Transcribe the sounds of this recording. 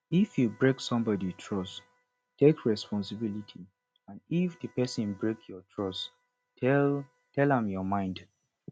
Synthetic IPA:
ifjubɹeksɔ̃mbɔditʰɹɔs | tekʰɹɛspɔ̃nsɪbilitʰi | ãndifdəpɛsə̃nbɹekʰjɔtʰɹɔs | ɛ | tʰɛlãmjɔmãɪ̃nd

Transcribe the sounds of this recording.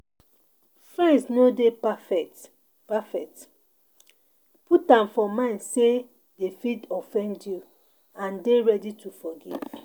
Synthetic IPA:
fɹɛ̃nsnodepafɛt | pafɛk̚t | putãmfɔmãɪ̃ndse | defidɔfɛ̃ndju | ãndeɹɛditufɔɡḭv̥

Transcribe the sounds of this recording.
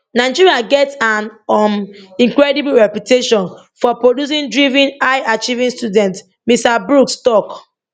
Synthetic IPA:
naɪd͡ʒiɹiaɡɛtsãnɔnĩŋkɹɛdibuɹɛpjuteʃɔ̃n | fɔpɹodjus̬ĩndɹivĩnaɪat͡ʃivĩnstudɛ̃nt | mistabɹukstɔk

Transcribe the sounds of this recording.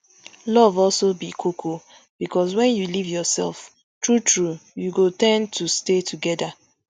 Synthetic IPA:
lɔvɔlsobikʰokʰo | b̥ikɔs̬wɛ̃njulivjɔsɛ̰lf | tɹutɹujuɡotɛ̃ntʰustetʰuɡɛda

